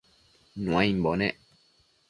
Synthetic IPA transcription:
nũãĩmbonẽʔ

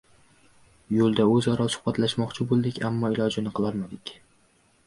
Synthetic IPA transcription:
jolˠd̪aɵzɒɾɒlˠsʊ̥hbat̪laʃmɒqt͡ʃʰɪbolˠd̪ɪkʲamːɒɪlˠɒd͡ʒɪnɪqʰɨlˠɒɾmad̪ɪkʲ

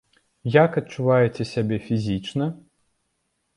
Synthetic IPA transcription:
jakɐt̚t͡ʂːuvajɛt͡sʲɛsʲabʲɛfʲizʲit͡ʂnɐ

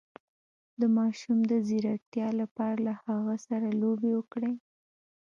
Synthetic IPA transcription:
d̪əmɑʃumd̪əziɾak̚t̪jɑlapɑɾalahaɣasaɾalobewəkɽe

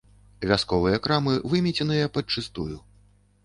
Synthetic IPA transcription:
vʲaskɔvɨjɐkɾamɨvɨmʲɛt͡sʲɛnɨjɐpɐt͡ʂɨst̪uju

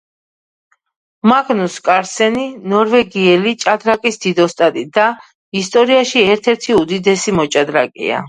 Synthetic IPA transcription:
maɡnuskʼaɾsɛninɔɾvɛɡiɛlit͡ʃʼad̪ɾakʼisd̪̥id̪ɔst̪ʼat̪ʼid̪a | ist̪ʼɔɾiaʃiɛɾt̪ʰɛɾt̪ʰiud̪id̪ɛsimɔt͡ʃʼad̪ɾakʼḭa̰

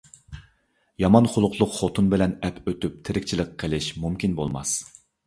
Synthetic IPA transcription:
jɑmɑnχʊlˠʊqʰlˠʊqχot̪ʰunbɪlɛnɛpʰøt̪yp̚t̪ʰɪɾɪk̚ʲt͡ʃʰilɪqʰːəlɪʃmumkʲinbolˠmɑ̰s

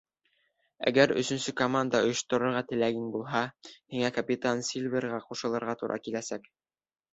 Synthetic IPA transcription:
æ̰ɡæɾɵ̰̆sɵ̆nsɵkomand̪ɑŏjɤ̆ʃt̪ŏɾŏɾʁɑt̪ɘ̆læɡɘŋbulˠɦɑhiŋækɐpʲit̪ansʲilʲvʲerɾʁɑquʃɤ̆lˠɤ̆ɾʁɑt̪uɾʔɑ̰kilæsæk

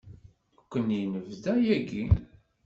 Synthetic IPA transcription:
kʷːənjinəvðæjæɡi

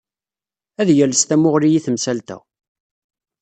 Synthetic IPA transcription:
æðjæləst̪æmʊʁɾijiθəmsælt̪æ̰

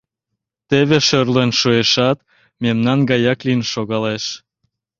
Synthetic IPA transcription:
t̪eβeʃørlenʃueʃɑt̪ | memnɑnɡɑjɑklinʃoɣɑleʃ

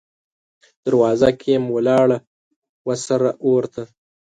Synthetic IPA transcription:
d̪̥aɾwɑːzakʰemwalɑːɽa | wasaɾaʔoɾt̪a

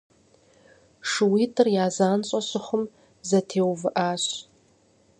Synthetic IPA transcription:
ʂɨwiːtʰɨrjaːzaːnt͡ɕʼɐɕɨχʊm | zɐtʰeːwvɨʔaːɕ

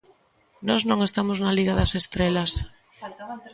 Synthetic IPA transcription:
nɔznõŋest̪amoznaliɣaðɐsest̪ɾelɐs

